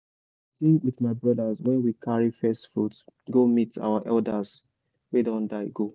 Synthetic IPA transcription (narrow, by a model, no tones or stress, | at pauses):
siwiðmaɪbɹʌdəswɛ̃nwikʰaɹifɛstfɹutɡomita̰waʔɛldəs | wedɔ̃ndaɪɡo